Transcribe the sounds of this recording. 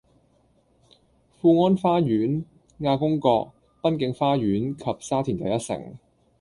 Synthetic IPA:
fuː˧ŋɔː˥nfaː˥jyː˨˥n | ŋaː˧kʊ˥ŋkɔː˧k̚ | pɐ˥nkɪ˨˧˥ŋfaː˥jyː˨˥nkʰɐ˨p̚saː˥t̪ʰiː˨˩nt̪ɐ˨jɐ˥t̚sɪ̰˨˩ŋ

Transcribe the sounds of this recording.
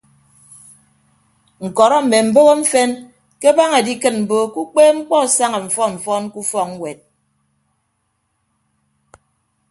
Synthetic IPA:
ŋ̩˨kɔ˨ɾɔ˦m̩˨me˨m̩˨bo˦ɣo˦ɱ̩˦fe˦n | ke˦ba˦ŋe˨di˦kɨ˦t̚m̩˨bo˦ku˦k͡peː˦ŋ͡m̩˦k͡pɔ˦˨sa˦ŋe˨ɱ̩˨fɔ˦ɱ̩˨fɔ˦nku˦fɔ˦kŋ̩˦wʷe˨t̚

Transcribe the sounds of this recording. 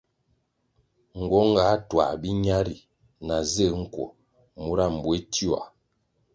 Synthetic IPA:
ŋ̩˨ɡɔ˨˦ŋ˦ɡa˨˦twa̰˨bi˦ɲa˦ɾi˨ | na˨zə˦˨ŋ̩˦kwɔ̰˨ | mu˦ɾa˦˨m̩˨bwe˦ti˦˨a̰˨

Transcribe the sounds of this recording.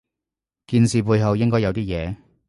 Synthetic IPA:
kiː˧nsiː˨puː˧jɦɐ˨wjɪ˥ŋkɔː˥jɐ˨˧wt̪iː˥jɛː˨˧

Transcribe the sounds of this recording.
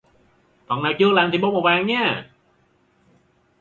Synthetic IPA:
t̪ɔ˨˩naː˨˩wt͡ɕɨ˧əlaː˨˩nt̪ʰi˨˩ɓo˧˥mo˨˩vaː˨˩ŋɲɛː˧˥

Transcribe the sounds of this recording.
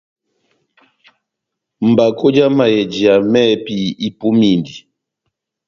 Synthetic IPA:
m̩˨ba˨ko˦d͡ʒa˦ma˨jɛ˨d͡ʒi˨a˨mɛ˦˨pi˦i˦pu˦mi˦˨ndi˨

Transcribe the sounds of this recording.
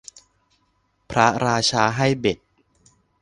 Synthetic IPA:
pʰɾa˦˥ɾaː˧t͡ɕʰaː˧ɦa˥˩jbe˨˩t̪̚

